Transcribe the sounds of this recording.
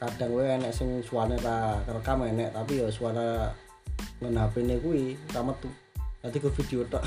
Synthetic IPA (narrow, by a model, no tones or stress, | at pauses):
kaɖ̥a̤ŋenɛʔsɪŋsuanet̪akərkamenɛʔt̪apijɔsuana | ŋənapinekuisamət̪u | nant̪iɡɔfid̪̥eot̪ɔʔ